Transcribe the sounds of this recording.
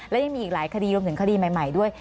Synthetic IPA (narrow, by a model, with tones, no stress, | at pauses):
lɛː˦˥ja˧ŋmiː˧ʔiː˨˩laː˩˦jkʰa˧diː˧ɾu˧mt̪ɯ˩˦ŋkʰa˧diː˧ma˨˩jma˨˩jdu˥˩əj